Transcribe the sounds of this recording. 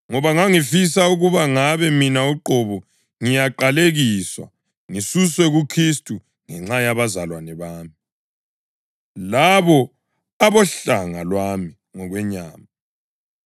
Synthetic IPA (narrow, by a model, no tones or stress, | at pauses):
ŋɔβaŋaŋifis̬auɣuβaŋaβɛminauǃɔβu | ŋijaǃaleɣiːswa̰ | ŋisuswɛɣukʰris̬tʼu | ŋɛŋ͡ǁajaβazalwanɛβaːmi | laβɔ | aβɔɬaŋa̰lwami | ŋɔɣwɛɲaːma